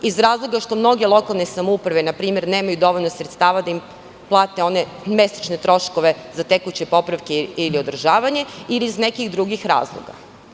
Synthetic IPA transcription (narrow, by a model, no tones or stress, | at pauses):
izɾaːzlˠoɡaʃt̪o̞mno̞ɡe̞lˠo̞kalˠnesamoupɾaʋe̞napɾiːme̞ɾneːmajud̪o̞ʋo̞ʎʲnosɾe̞t̪st̪aːʋad̪aim | plˠaːt̪e̞o̞ne̞ | me̞sḁt͡ʃnet̪ɾo̞ʃko̞ʋe̞zat̪ekujut͡ɕepo̞pɾaʋke̞iliod̪r̩ʒaːʋaɲe̞iliizne̞kiɣd̪ɾuɡixɾa̰ːzlˠo̰ɡa̰